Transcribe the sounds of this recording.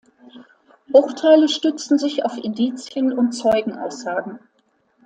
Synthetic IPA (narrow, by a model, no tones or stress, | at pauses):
b̥ʁʊχtʰaɪləʃtʏt͡sn̩zɪça̰ʊfɪndiːt͡sjənʊnt̚t͡sɔʏɡŋ̩ʔa̰ʊsz̥aːɡŋ̩